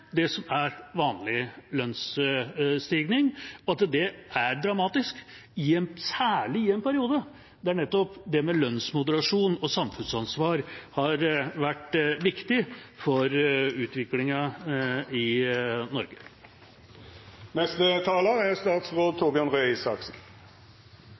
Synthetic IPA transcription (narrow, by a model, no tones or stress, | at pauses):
d̪ɛsɔmæɾʋɑːnlɪlœns | st̪iɡnɪŋɔɑt̪d̪ɛʔæɾd̪ɾɑmɑːt̪ɪsk | ɪɛnsæːɭɪɛnpʰæɾɪuːd̪ə | d̪ɛæɳɛt̪ːɔpd̪ɛmɛlœnsmʊd̪əɾɑʂuːnɔsɑmfʉnsɑnsʋɑːɾhɑɾʋæʈːʋɪkt̪ɪfɔɾʉːt̪ʋɪklɪŋɑ | ɪnɔɾɡə | nɛst̪ət̪ʰɑːləæʁst̪ɑːt̪sʁoːd̪̚t̪ʰoːbɪɑnʁœɪsɑksn̩